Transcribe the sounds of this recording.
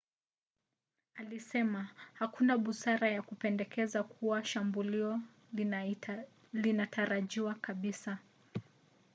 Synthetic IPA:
alisɛmahakunaɓusaɾajakupɛndɛkɛzakʰuwaʃambuliɔ | linatʰaɾaʄiwakaɓisa

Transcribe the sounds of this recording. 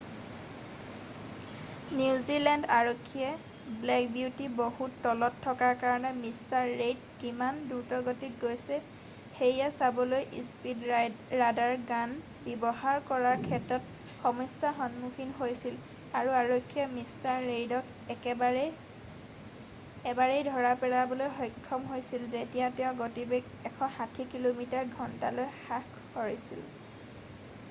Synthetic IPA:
niʊzilɛndaɹokʰːiɛ | blɛk̚biutibohutːɔlɔtʰːɔkaɹkaɹɔnɛmistaɹːejdkimanduɹtɔɡotit̚ɡojsɛ | xejasabɔlojʔispidːadaɹɡan | bibɔɦaɹkɔɹaɹkʰɛtɹɔt | xɔmɔsaxɔnmuxinɦojsil | aɹuaɹokʰːijɔmistaɹːejdɔk | ɛɛbaɛ | ɛbaɹejdʱɔɹapɛɹabɔlojxɔjkʰːɔmɦojsilzetijatɛʊ̃ɡotibek | ɛkʰɔhatʰikilomitaɹɡʱɔntalojxak | kɔɹisḭl

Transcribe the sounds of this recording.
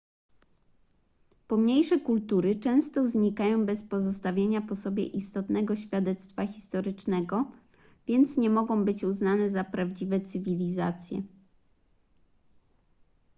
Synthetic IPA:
pɔmɲejʂɛkult̪uɾɘt͡ʂɛ̃w̃st̪ɔzɲikajɔ̃w̃bɛspɔzɔst̪avʲjeɲapɔsɔbʲjɛ̰ʔist̪ɔt̪nɛɡɔɕfʲjad̪ɛt̪st̪faxʲi̥st̪ɔɾɘt͡ʂnɛɡɔ | vʲjɛnt̪sɲɛmɔɡɔ̃w̃bɘt͡ɕuznanɛzapɾavd͡ʑivɛt̪sɘvʲilʲiza̰t̪sʲjɛ̰

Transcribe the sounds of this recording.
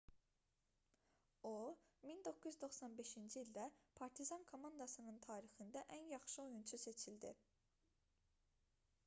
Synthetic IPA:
omind̪o̞kʰːujyzd̪o̞xsɑnbe̞ʃind͡ʒiiːld̪æpʰɑɾt̪ʰizɑnkʰomɑnd̪ɑsɯnɯnt̪ʰɑːɾixɯnd̪æʔænjɑχʃɯo̞junt͡ʃʰuse̞t͡ʃʰild̪i

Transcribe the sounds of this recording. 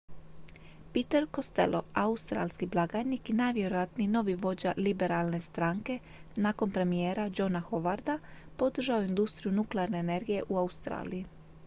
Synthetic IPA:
pit̪eɾko̞st̪e̞̰lʔo̞aust̪ɾa̰lskiblˠaɡajnikinaʋje̞ɾojat̪nino̞ʋiʋo̞d͡ʑalibe̞ɾalne̞st̪ɾaːŋke̞ | nako̞npɾe̞mije̞ːɾad͡ʒo̞naxo̞ʋaɾd̪apo̞d̪r̩ʒaoind̪ust̪ɾijunukleaɾne̞ːne̞ɾɡije̞ʔuaust̪ɾa̰ːliji

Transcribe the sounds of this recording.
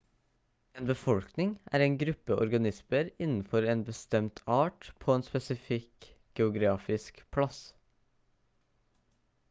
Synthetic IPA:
ʔeːnbəfɔlknɪŋʔæ̰ːɾeːnɡɾʉpːəʔɔ̰ɾɡɑnɪsməɾɪnn̩fɔɾeːnbəst̪ɛmt̪ʰɑːʈpʰoːeːnspɛsɪfɪk | ɡ̥ɛʊɡɾɑːfɪskpʰlɑs

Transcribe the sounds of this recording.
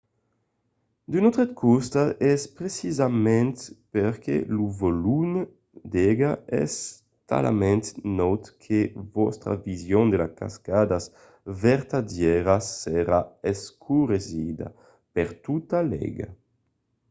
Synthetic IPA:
d̪ynɔt̪ɾed̪kʰɔst̪aʔɛspɾesizamɛ̃nt̪peɾkʰḛluvolum | d̪ɛɡaɛ̰s | t̪a̰la̰mɛ̃nt̪nɔwt̪kʰevɔst̪ɾa̰vizjɔŋd̪elaka̰skad̪as | vɛɾt̪adjɛɾasːeɾaeskʰuɾezid̪a̰ | pɛɾt̪ut̪alɛ̰ɡa̰

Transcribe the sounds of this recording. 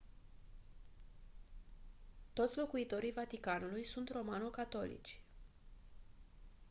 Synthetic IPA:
t̪o̞t̪sʲlo̞kuit̪o̞ɾijvat̪ikanulujsunt̪ro̞manukat̪o̞̰lḭt͡ʃʲ

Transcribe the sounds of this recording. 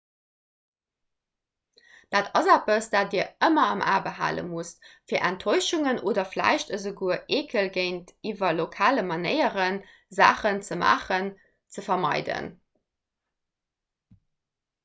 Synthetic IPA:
d̥aːtɑzæpəsd̥aːt̚diːɐəmɐɑmʔa̰ːbəɦa̰ːlə̰mustfiːɐʔæntʰoɪʃuŋənʔoːdɐflæ̰ɪʃtəzəɡuɐʔeːkʰəlɡɜɪntiːvɐlokʰaːləmɑnəɪəʁən | za̰ːχənt͡səma̰ːχən | t͡səfɐmɑ̰ɪdə̰n

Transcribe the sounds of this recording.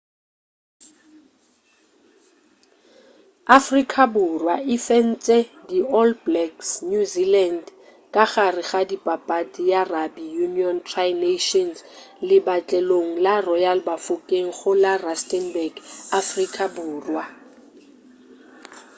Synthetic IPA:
afrikʼʰabʊrwaʔɪfɛn̩t͡sʼɛdiɔlblɛksnjuziland | kʼaɣarɪɣadipʼapʼatʼijarabijuniɔntʰrajneʃɔnslɪbat͡ɬʼɛloŋ̩larɔjalbafʊkʼeŋ̩χʊlarastʼɛnbɛɡafrikʼabʊːrwa

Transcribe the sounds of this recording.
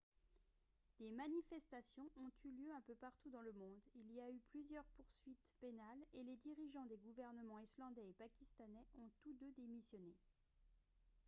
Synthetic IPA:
d̪̥emanifɛst̪asjɔ̃ʔɔ̃t̪yljøɛ̃pøpaʁt̪ud̪ɑ̃ləmɔ̃d̪iliayplyzjœʁpuʁsɥit̪penaleled̪iʁiʒɑ̃d̪eɡuvɛʁnəmɑ̃islɑ̃d̪ɛepakʲist̪anɛɔ̃t̪ud̪ød̪emisjɔne

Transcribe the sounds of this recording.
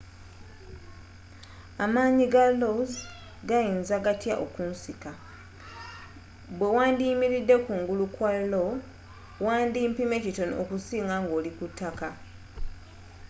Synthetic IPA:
amaːɲiɡaloz | ɡajiːnzaɡatja̰ʔokunsika | bwe̞waːndiːmiɾidːe̞kuːŋɡulukwalo | waːndiːmpime̞cito̞no̞̰kusiːŋɡaŋɡo̞ːlikutːaka

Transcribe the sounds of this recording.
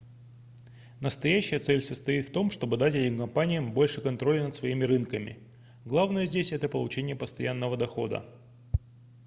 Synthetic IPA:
nəst̪ɐjæɕːɪjət̪sɛlʲsəst̪ɐit̪ft̪o̞mʂt̪o̞bɨd̪atʲɛtʲɪmkɐmpanʲɪjəmbo̞lʲʂɨkɐnt̪ɾo̞lʲɪnət̪svɐimʲɪɾɨnkəmʲɪ̰ | ɡlˠavnəjəzʲdʲesʲɛt̪əpəlˠʊt͡ɕenʲɪjəpəst̪ɐjanːəvəd̪ɐxo̞̰d̪ə̰

